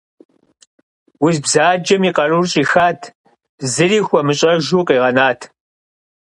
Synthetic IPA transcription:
wʊzbzaːd͡ʒɐmiːqɐrurɕʼiːxaːtʰ | zɨriːxʷɔmɨɕʼɐʒuːqiːʁɐnaːtʰ

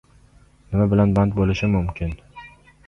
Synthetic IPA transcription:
nɪmabɪlanbant̪̚bolɪʃɪmʊmkʲʰɪn

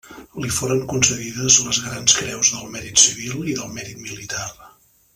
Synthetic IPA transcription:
lifoɾəŋkunsəðiðəzləzɣɾanskɾɛwzðəlˠmɛɾit̪siβilˠiðəlˠmɛɾit̪milit̪ar

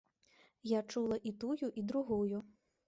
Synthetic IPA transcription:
jat͡ʂulˠɐʔit̪ujuʔid̪ɾuɣuju

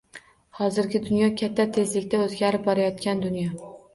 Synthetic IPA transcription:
hɒzɪɾɡʲɪd̪ʊnjɒkʲʰat̪ʰːat̪ʰe̞zlɪkʲt̪aɵzɡʲaɾɪp̚bɒɾajɒt̪kʲand̪ʊnjɒ

